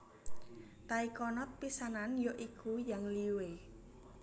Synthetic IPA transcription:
t̪aikɔnɔt̪̚pisananjoʔikʰujaŋliwe

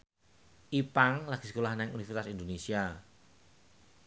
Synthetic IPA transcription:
ʔipaŋlaɡ̥i̥sə̥kulahnɛŋunifrt̪asind̪onesia

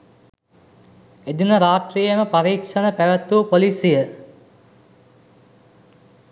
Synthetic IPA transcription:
ed̪unəɾaːʈrijəməpaɾiːkʂənəpæʋət̪upolisijə

